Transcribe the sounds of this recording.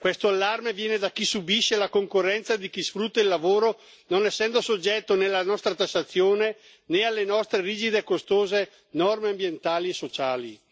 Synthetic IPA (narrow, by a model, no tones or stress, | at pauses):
kwest̪oalːarmevjɛːned̪akisubiʃːelakoŋkorːɛnt̪sad̪ikisfɾut̪ːailːavoːɾo | nonɛsːɛnd̪osod͡ʒɛt̪ːonelːanɔst̪ɾat̪asːat̪sːjoːne | nealːenɔst̪ɾeɾiːd͡ʒid̪ekost̪oːze | nɔrmeambjent̪aːliesːot͡ʃaːli